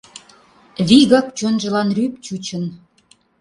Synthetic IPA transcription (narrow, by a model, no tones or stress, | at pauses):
βiɣək̚t͡ɕonʒə̆lɑnryp̚t͡ɕut͡ɕə̆n